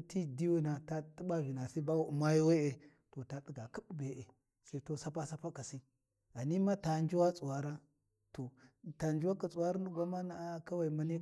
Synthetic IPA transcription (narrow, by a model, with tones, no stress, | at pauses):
ti˦di˦wu˦na˨ta˦tə˦ɓa˦ɣi˨na˨si˦ba˦˨ma˦ji˦we˦e˨ | to˨ta˨tə˨ɡa˨ki˦ɓbe˨ʔe˨ | sa˦to˦sa˦pa˦sa˦pa˦ka˨si˦ | a˨ni˦ma˦ta˨nd͡ʒi˦wa˦t͡sʼu˨wa˨ɾa˦ | to˨ta˨nd͡ʒi˦wa˦ka˨t͡sʼu˨wa˦ɾa˦nu˦ɡʷa˦ma˦na˨˦ka˦wa˨i˨ma˦ni˦